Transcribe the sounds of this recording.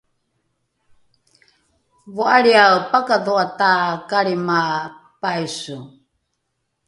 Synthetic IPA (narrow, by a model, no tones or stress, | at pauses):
voaɾiawpakaðoataːkaɾima | pajsu